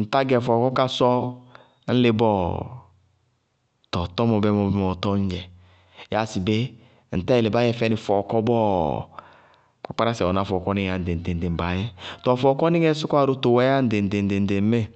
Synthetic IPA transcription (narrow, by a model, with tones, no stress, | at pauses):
n̩˨ta˦ɡɛ˨fɔ˨kɔ˦ka˦sɔ˦ | n̩˦le˦bɔ˦ | tɔ˨tɔ˦mɔ˨bɛ˦mɔ˨bɛ˦ɔ˨tɔ˦ɲ˦d͡ʒɛ˨ | ja˨si˨be˦ | n̩˨tɛ˦˨le˨ba˦jɛ˦fɛ˦ni˨fɔ˨kɔ˦bɔ˦ | k͡pa˦k͡pa˦ɾa˦sɛ˨ɔ˨na˦˨fɔ˨kɔ˦ni˦a˨n̩˨de˨n̩˨de˨n˨de˨m̩˨ba˨jɛ˦tɔ˨fɔ˨kɔ˦ni˦ŋɛ˦su˦kʷa˦˨ɾo˦to˨wɛ˦a˦n̩˨de˨de˨n̩˨de˨n̩˨de˨m˦me˦˨